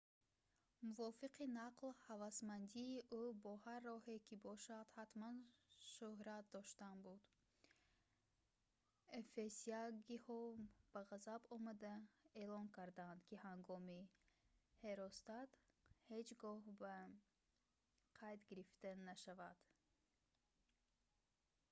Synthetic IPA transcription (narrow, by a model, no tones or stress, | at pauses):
muvɔfiqinaqlhavasmand̪iːʔubɔharːɔhekʰibɔʃad̪hat̪manʃuhɾat̪̚d̪ɔʃt̪anbud̪ | efesiaɡihɔb̥aʁazabɔmad̪aelɔŋkʰaɾd̪and̪kʰihaŋɡɔmi | he̞ɾɔst̪at̪hed͡ʒɡɔhba | qʰajt̪ɡiɾift̪anaʃavad̪̥